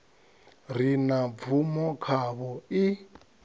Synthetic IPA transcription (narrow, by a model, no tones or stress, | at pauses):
r̤inavumɔkʰaβɔi